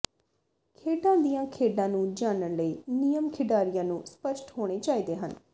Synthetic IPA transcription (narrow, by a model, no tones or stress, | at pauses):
kʰeːɖãːd̪ijãːkʰeːɖãːnũːd͡ʒaːnənləiːnɪjəmkʰɪɖaːɾɪjãːnũːspəʃʈhoːɽ̃eːt͡ʃaːiːd̪eːɦən